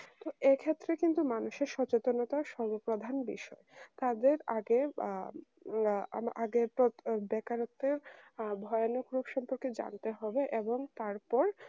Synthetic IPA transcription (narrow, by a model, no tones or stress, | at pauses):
t̪oekʰet̪ːɾekint̪umanuʃeɾʃɔt͡ɕet̪onot̪aʃɔɾbopɾod̪ʱanbḭʃɔet̪ad̪eɾaɡe | a̰mʔa̰ɡepɾobɛkaɾot̪ːeɾbʱɔeonokɾupʃɔmpoɾked͡ʑa̰nt̪eɦɔbeʔeboŋt̪aɾpɔɾ